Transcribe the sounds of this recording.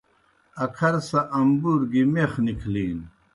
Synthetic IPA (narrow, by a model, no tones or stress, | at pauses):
ɐkʰɐɾsɐʔɐmbuɾɡimeχnikʰliːn